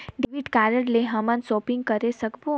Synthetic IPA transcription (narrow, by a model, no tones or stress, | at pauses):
ɖiʋiʈkaːɾəɽleɦəmənsɔːpĩŋɡ̚kəɾesəkbu